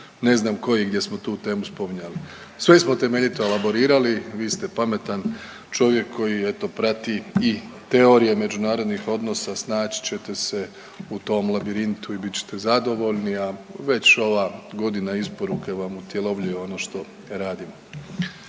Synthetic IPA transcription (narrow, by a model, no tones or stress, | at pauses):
ne̞znaːmko̞jiɡd̪je̞smo̞t̪uːt̪e̞ːmuspo̞miɲali | sʋesmo̞t̪e̞meʎit̪oelabo̞ɾiːɾaliʋiːst̪e̞pame̞t̪an | t͡ʃo̞ʋje̞kʰːo̞jie̞t̪o̞pɾat̪iit̪e̞o̞ɾijeme̞d͡ʒunaːɾo̞d̪nixo̞d̪no̞sasnaːt͡ɕi̥t͡ɕet̪e̞se̞ | ut̪o̞ːmlˠabiɾint̪uibit͡ɕe̥t̪ezad̪o̞ʋo̞ʎniaʋe̞t͡ɕo̞ʋaɡo̞d̪inaispo̞ɾuke̞ʋamut̪je̞lo̞ʋʎujeo̞no̞ʃt̪o̞ | ɾaːd̪imo